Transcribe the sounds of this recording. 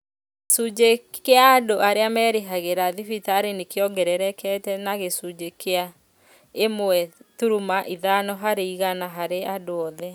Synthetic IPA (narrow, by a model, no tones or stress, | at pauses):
sud͡ʒekeaːdoʔaɾeamɛːɾeɦaɣeɾaðifitaːɾenekeɔɡɛɾɛɾɛkʰɛtɛnaɣesud͡ʒekea | emoɛtuɾumaʔiðanɔɦaɾeiɣanaɦaɾeadoɔðɛ